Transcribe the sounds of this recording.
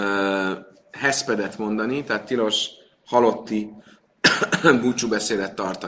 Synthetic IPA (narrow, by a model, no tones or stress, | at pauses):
hɛspɛd̪ɛt̪mo̞nd̪ɒnit̪ɛɦaːt̪ːilo̞ʃ | hɒlo̞t̪ːi | buːt͡ʃubɛseːd̪ɛt̪ːɒrt̪ɒ